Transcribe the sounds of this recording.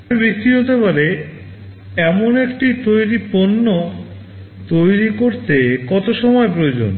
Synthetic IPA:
ɾbik̚t̪iɦot̪epaɾe | ɛmonekʈit̪ojɾiponːo | t̪ojɾikoɾt̪ekɔt̪oʃɔmɔepɾood͡ʑo̰n

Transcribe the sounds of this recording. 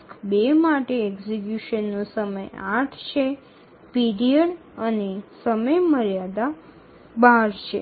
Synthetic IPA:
bemaʈeɛɡzek̬juʃənːõsəmə̰jaʈʰt͡ʃʰe | piɾijəɽ | ənesəməjməɾjad̪a | baɾt͡ʃʰḛ

